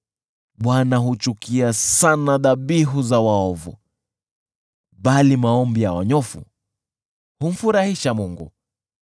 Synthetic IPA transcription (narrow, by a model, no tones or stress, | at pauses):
ɓwanaɦut͡ʃukiasanaðaɓiɦuzawaɔvṵ | ɓalimaɔmbijawa̰ɲɔfṵ | hum̩fuɾahiʃamuŋɡu